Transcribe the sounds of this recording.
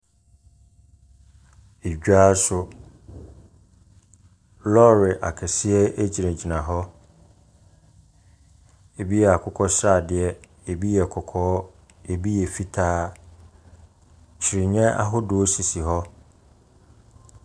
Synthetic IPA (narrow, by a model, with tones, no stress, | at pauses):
e˨d͡ʑᶣaː˦sʊ˦ | lɔ˦ɾɪ˨ʔa̰˨kʰɛ˨sɪ˦ɛ˦e˦d͡ʑi˨ɾɛ̃˨d͡ʑi˨nã˨ɦɔ˦ | e˨bi˦ɛ˨a˨kʰʊ˦kʰɔ˦sɾa˦˨dɪ˨ɛ˦ | e˨bi˦jɛ˨kʰɔ˨kʰɔː˦ | e˨bi˦jɛ˨fi˦tʰaː˦ | t͡ɕʰi˨ɾi˨ɲɛ̃˦a̰˦ɦʊ˦dʊ˦o˦si˨si˨ɦɔ˦